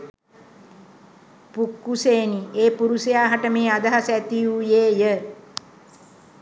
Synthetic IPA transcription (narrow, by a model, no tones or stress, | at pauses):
pukːuseːnieːpuɾusejaːɦaʈəmeːad̪əɦasæt̪ijujeːjə